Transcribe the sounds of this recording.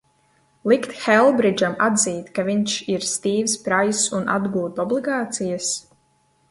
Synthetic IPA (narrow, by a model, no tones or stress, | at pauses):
lˠikt̪xɛlˠbɾid͡ʒamad̪ziːt̪kaviɲʃiɾst̪iːvspɾajsunʔa̰d̪ɡuːt̪ɔblˠiɡaːt̪sijas